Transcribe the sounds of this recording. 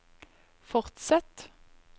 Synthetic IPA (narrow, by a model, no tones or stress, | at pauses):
fɔʁt̪sɛt̪